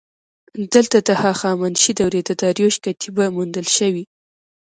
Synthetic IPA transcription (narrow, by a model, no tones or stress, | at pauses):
d̪əlt̪ad̪ahɑxɑmanʃid̪awɾed̪əd̪ɑɾjoʃkat̪ʰibamund̪əlʃəwi